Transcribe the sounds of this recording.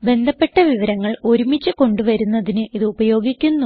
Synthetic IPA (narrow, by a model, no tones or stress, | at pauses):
be̞nd̪ʱɐpːe̞ʈːɐʋiʋɐɾɐŋːɐɭo̞ɾumit͡ɕːɨko̞ɳɖuʋɐɾunːɐðinɨiðɨubɐjo̞ːɡikʲːunːu